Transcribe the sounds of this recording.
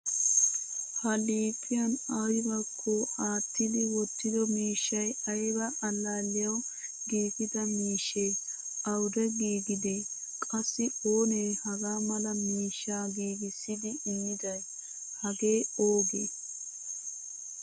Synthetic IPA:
hɐliːt̪ʰʼːɪjɐnɐwɪbɐkʰːoaːt̪ːɪd̪ɪwɔt̪ːɪd̪ɔmiːʃːɐjɐjbɐʔɐlːaːlːɪjɐw | ɡiːɡɪd̪ɐmiːʃːe | ɐwd̪ɛɡiːɡɪd̪e | kʼɐsːɪoːnejhɐɡaːmɐlɐmiːʃːaːɡiːɡɪsːɪd̪ɪʔːmːɪd̪ɐj | hɐɡeːoːɡeː

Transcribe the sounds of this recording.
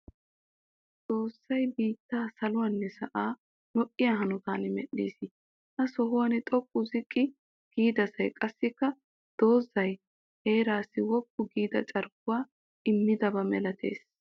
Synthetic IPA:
t͡so̞ːsːɐjbiːt̪ːaːsɐlʊwɐnːɛsɐʔaː | lɔʔʼːɪjaɦɐnʊt̪aːnmɛɗːḭːsɪ | hɐsɔɦʊwɐnɪt̪ʼɔkʼːʊzɪkʼːɪ | ɡ̥iːd̪ɐsɐjkʼɐsːɪkːɐ | d̪̥o̞ːzːɐj | heːɾaːsɪwɔkːʊɡiːd̪ɐ̰t͡ʃʼɐɾɡʊwaː | ʔɪmːɪd̪ɐbɐmɛlɐt̪ʰḛːs

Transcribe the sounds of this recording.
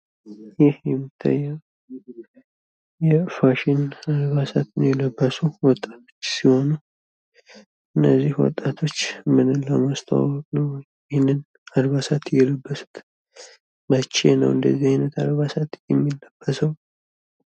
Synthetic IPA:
jɪhjɛmːit̪ʰːa̰jːɛ | jɛfaʃɪnad̪βasat̪ɨnjɛləbːəsuwɔt̪ʼːḁt̪ʰo̞̥t͡ʃːsiho̞nu | ʔɨnːəzːihwɔ̰t̪ʼːat̪ʰo̞t͡ʃːmɨnɨnləmast̪ʰə̰wa̰wɔkʼnəwj | ɛhnːɨn | ad̪βasat̪jɛləbːəsu̥t̪ | mət͡ʃːḛnə̰wɨnd̪əzːihajnət̪ad̪βasat̪jɛmːilːəb̥ːəsəw

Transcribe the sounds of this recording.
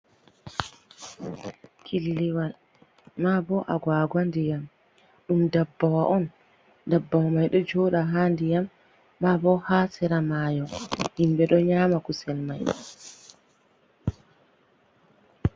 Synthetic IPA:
kʰilːiwal | mabɔʔaɡwaːɡandijam | ɗumdabːawaʔɔn | dabːawamajɗɔd͡ʒɔːɗaɦaːndijamː | abɔhasɛɾamajɔhimbɛɗɔɲaːmakusɛlmajɗɔ̰

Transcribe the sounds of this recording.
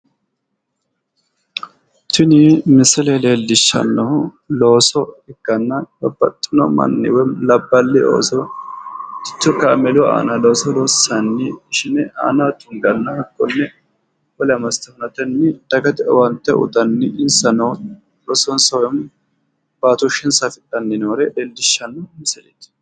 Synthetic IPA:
t̪ɪnɪmɪsɪleleːlːɪʃːɐ̰nːɐw | lo̞ːsɔɪɡːɐnːɐbɐbːɐt̪ʼːɪnɔ̰mɐ̰nːɪ̰wɛlɐbːɐlːɪo̰ːsɔ | ɪ̥t̪ːɔkɐːmɛlʊa̰ːnɐlo̞ːsɔloːsːɐnːɪʃɪnɛa̰ːnat̪ʊŋɡɐnːɐhɐkʼːɔnːɛ | wɔlɛɐmɐst̪ːɐnɐt̪ɛnːɪd̪̥ɐɡɐt̪wɐnt̪ːɛʔʊ̰t̪ɐnːɪɪnsɐnɐ | loːsɔnsɐwjm | b̥aːt̪ʊʃɪnsɐt̪ɪᶑʼɐnːɪnoːɾɛleːlːɪʃːɐnːɐmɪsɪlɛt̪

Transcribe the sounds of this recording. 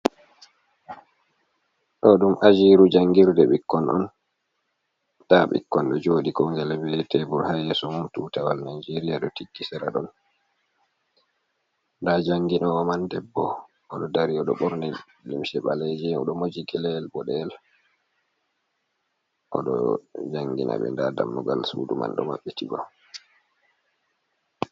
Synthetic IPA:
ɗɔɗumʔad͡ʒiːɾud͡ʒaŋɡiɾdɛɓikːɔnʔɔ̰n | taɓḭkːɔnɗɔd͡ʒoːɗikɔŋɡɛlɛbɛtɛbuɾhajɛsɔmumtutawalnajd͡ʒeɾiaɗɔtiɡːisɛɾaɗɔ̰n | ndad͡ʒaŋɡinɔːmandɛbːɔ | ɔɗɔdaɾiɔɗɔɓɔɾnɛ | limʃɛɓaled͡ʒɛɔɗɔmod͡ʒiɡɛlɛlbɔɗɛl | ʔɔ̰ɗɔ̰d͡ʒaŋɡina̰ɓɛ̰ndada̰mːɔɡa̰lsṵːduma̰nɗɔ̰ma̰ɓːɛtiba̰

